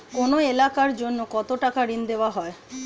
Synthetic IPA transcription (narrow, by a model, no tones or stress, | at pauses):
konoelakaɾd͡ʑonːokɔt̪oʈakaɾind̪eoaɦɔe